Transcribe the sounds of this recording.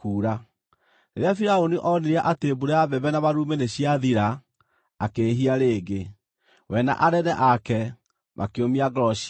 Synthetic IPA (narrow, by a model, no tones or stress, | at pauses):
kuːɾa | neɾeafiɾaoniʔɔneɾiaʔatebuɾeaβɛβɛnaβaɾumeneɕiaðiɾaː | keːɦiaɾeːɡe | wʔɛna̰ʔaɾɛdɛʔakɛ | mʔa̰keomiaɡɾɔʃi̥